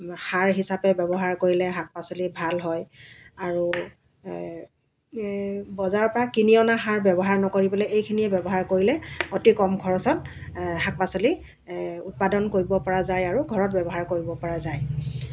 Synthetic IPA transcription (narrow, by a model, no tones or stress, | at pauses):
haɹɦisapɛbɛbɔɦaɹkoɹilɛɦak̚pasolibʱalɦɔjaɹu | bɔzaɹɔpɔɹakiniɔnaɦaɹbɛbɔɦaɹnɔkoɹibɔlɛejkʰiniɛbɛbɔɦaɹkoɹilɛotikɔmɡʱɔɹɔsɔtɦak̚pasɔli | ut̚padɔnkoɹibɔpɔɹazajaɹuɡʱɔɹɔt̚bɛbɔɦaɹkoɹibɔpɔɹazaj